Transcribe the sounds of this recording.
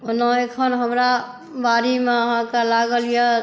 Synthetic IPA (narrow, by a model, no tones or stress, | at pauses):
onəekʰənɦəmɾa | baɾimeəɦãkelaɡəlje